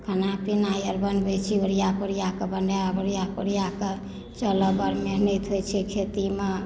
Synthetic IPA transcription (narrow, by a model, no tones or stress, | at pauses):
kʰənapinajəɾbənbet͡ʃʰioɾijakoɾijakəbənɖaabəɾijakoɾijake | t͡ʃələbəɾmenɛt̪ɦojt͡ʃʰɛkʰet̪ime